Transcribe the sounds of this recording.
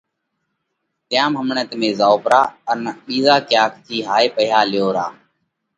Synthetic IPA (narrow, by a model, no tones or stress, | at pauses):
t̪ɪjãːmɦəmɳət̪mẽːzaːoːpɾaːənɓiːzaːkɪjaːkʰt̪ʰiːɦaːeːpəjaːlɪjoːɾaː